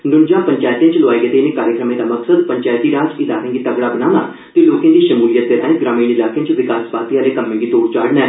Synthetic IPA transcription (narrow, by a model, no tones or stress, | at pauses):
nʊnd͡ʒãːpəɲt͡ʃaːjt̪ijãt͡ʃlʊaːeːɡeːt̪eɪnẽːkaːɾjəkɾəmẽːd̪aːməksəd̪pəɲt͡ʃaːjt̪iːɾaːd͡ʒɪlaːkẽːɡiːt̪əɡɽaːbənaːna̰ː | t̪eloːkẽːd̪iːʃəmuːlɪjət̪ːeːlɛ̃ːɡɾaːmiːnɪlaːkejãt͡ʃʋɪkaːsbaːt̪iaːleːkəmːẽːɡiːt̪oːɽt͡ʃaːɽnɛː